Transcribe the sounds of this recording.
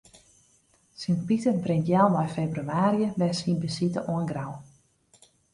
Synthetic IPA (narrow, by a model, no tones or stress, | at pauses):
sinpitəbrɪŋtjalˠnɔjfebryaːɾjəbɛjsinbəsitəʔoənɡraw